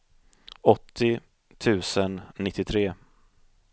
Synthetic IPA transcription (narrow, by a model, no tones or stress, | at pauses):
ɔt̪ʰːɪ | t̪ʰʉ̟ːsənːɪt̪ːɪt̪ʰɾeː